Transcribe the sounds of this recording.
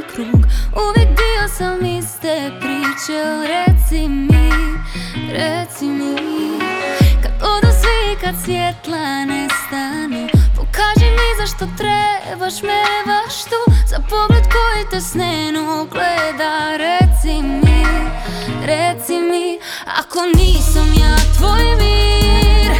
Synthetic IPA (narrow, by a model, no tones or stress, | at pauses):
kɾuɡuʋjɛk̚d̪iosamːist̪ɛpɾit͡ʃaoɾɛt̪simi | ɾet̪simi | kad̪od̪asʋikad̪sjɛt̪lanɛst̪anupokaːʒɛmizaʃt̪ot̪ɾe | baʃmebaʃt̪ozapoɡled̪kojet̪ɛsnɛnoɡlɛd̪aɾɛt̪simi | ɾɛt̪simi | a̰koniːsamjaːt̪ʋojvi | ɾ